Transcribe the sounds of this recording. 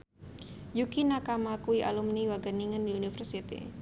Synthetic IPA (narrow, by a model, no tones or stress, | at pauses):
jukinakamakuiʔa̰lumniwaɡaniŋəndiunifərsit̪ḭ